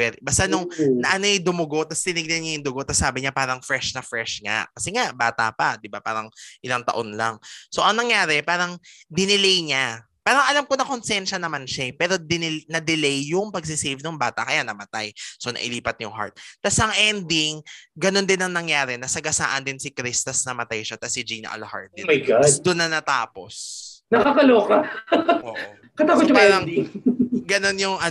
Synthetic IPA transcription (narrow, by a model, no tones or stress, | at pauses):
ɛɾbast̪anoŋnɐʔɐnojd̪ʊmʊɡo̞t̪ɐst̪ɪnɪɡ̚nɛnɲajʊŋd̪ʊɡot̪ɐsaːbɪɲapaːɾɐŋfɾɛʃnɐfɾɛʃŋa̰ʔkɐsɛŋaʔbaːt̪apad̪ɪbapa̰ːɾɐŋʔɪlaŋt̪ɐ̰ʔonla̰ŋso̞ʔɐŋnɐŋjaːɾɛpaːɾɐŋd̪ɪnɪlɛjɲa | paːɾɐŋʔɐlamkonɐkonsɛnʃɐnɐmanʃapɛːɾo̞d̪ɪnɪnɐd̪ɪlɛjːʊŋpɐɡ̚s̬ɪsɛjvnʊŋbaːt̪ɐkɐjanɐmɐt̪ajso̞nɐ̰ʔɪ̰liːpɐt̪̚ɲʊŋha̰ɹt̪̚ːasʔɐŋʔɛnd̪iŋɡɐno̞nd̪ɪnɐŋnɐŋjaːɾɛnɐsɐɡɐsa̰ːʔɐnd̪ɪnsɪkɾist̪ɐsnɐmɐt̪ajʃat̪ɐsɪd͡ʒinɐ̰ʔɐ̰lha̰ɹt̪̚ɛmɐjɡad̪ʊnːɐnɐt̪a̰ːpo̰snɐkɐkɐloːkaʔoːʔ | kɐt̪akot̪jɐpaɾɐŋ | ɡɐno̞njʊŋʔɐ